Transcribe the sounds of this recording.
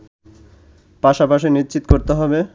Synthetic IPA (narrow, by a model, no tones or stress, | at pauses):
paʃapaʃinitːt͡ɕit̪o̥koɾt̪eɦɔbe